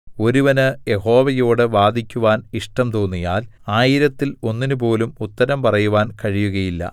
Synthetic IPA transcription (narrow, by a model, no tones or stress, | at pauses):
o̞ɾuʋɐnɨje̞ho̞ːʋɐjo̞ːɽɨʋaːd̪ʱikʲːuʋaːniʂʈɐmt̪oːnːijaːlaːjiɾɐt̪ːilo̞nːinup̬o̞ːlumut̪ːɐɾɐmpɐrɐjuʋaːnkɐɻijuɣɐjilːɐ̰